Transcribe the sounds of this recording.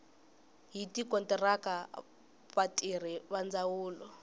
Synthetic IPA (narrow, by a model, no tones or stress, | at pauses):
ɦitikɔntɛraka | βatʼir̤iβand͡zawuːlɔ